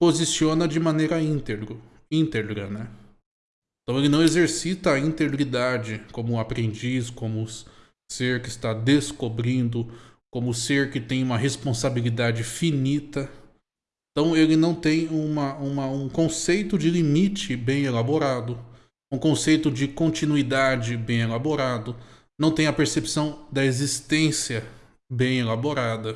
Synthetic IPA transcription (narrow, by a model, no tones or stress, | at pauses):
pozisiõnɐd͡ʒɪmɐ̃nejɾɐĩt̪eɡɾʊ | ĩnt̪eɡɾɐnɛ | ẽt̪ɐ̃w̃elɪnɐ̃w̃ezeɾsit̪ɐːĩnt̪eɡɾid̪ad͡ʒɪkõmʊapɾẽnd͡ʒiskõmʊ | seɾkɪst̪ad̪eskobɾĩnd̪ʊ | kõmʊseɾkɪt̪ẽj̃ũmɐɦespõsabilid̪ad͡ʒɪfinit̪ɐ | ẽt̪ɐ̃w̃elɪnɐ̃w̃t̪ẽj̃ũmɐũmɐũkõsejt̪ʊd͡ʒɪlimit͡ʃɪbẽj̃elaboɾad̪ʊ | ũkõsejt̪ʊd͡ʒɪkõnt͡ʃinuid̪ad͡ʒɪbẽj̃elaboɾad̪ʊ | nɐ̃w̃t̪ẽj̃ɐpeɾsepsɐ̃w̃d̪ɐezist̪ẽsiɐ | bẽj̃elaboɾad̪ɐ